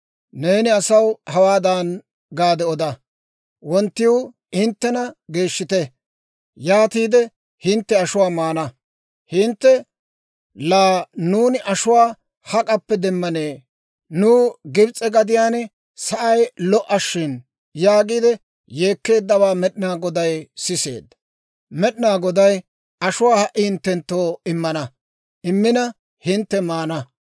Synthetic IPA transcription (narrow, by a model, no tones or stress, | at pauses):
ne̞ːnɪɐsɐwhɐwaːd̪ɐn | ɡaːd̪ɛɔd̪ɐ | wɔnt̪ːɪw | ɪnt̪ːɛnɐɡe̞ːʃːɪt̪ɛ | jaːt̪iːd̪ɛ | hɪnt̪ːɛɐʃʊwaːmaːnɐ | hɪnt̪ːɛ | laːnuːnɪʔɐʃʊwaː | hɐkʼɐpːɛd̪ɛmːɐneː | nʊːɡɪbt͡sʼːɛɡɐd̪ɪjaːnɛ | sɐʔɐjlɔʔɐʃːɪn | jaːɡid̪ɛ | je̞ːkːe̞ːd̪ːɐβaːmɛɗɪnaːɡɔd̪ɐjsɪse̞̰ːd̪ːɐ̥ | mɛɗɪnaːɡɔd̪ɐj | ɐʃʊwaːhɐʔːɪhɪnt̪ːɛnt̪ːoːɪmːɐnɐ | ɪmːɪnɐ | hɪnt̪ːɛmaːnɐ